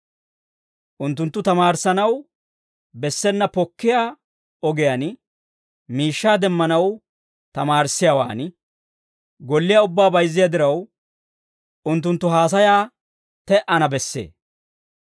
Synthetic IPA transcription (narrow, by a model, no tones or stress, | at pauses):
ʔʊnt̪ːʊnt̪ːʊt̪ɐmaːɾsɐnɐw | bɛsːɛnːɐpɔkːɪjaː | ɔɡɛjan | miːʃːaːd̪ɛmːɐnɐw | t̪ɐmaːɾsːɪjaːwa̰ːn | ɡɔlːɪjaʊbːaːbɐjzːɪjɐd̪ɪɾɐw | ʔʊnt̪ːʊnt̪ːʊɦaːs̬ɐjaː | t̪ɛʔɐnɐbɛsːḛː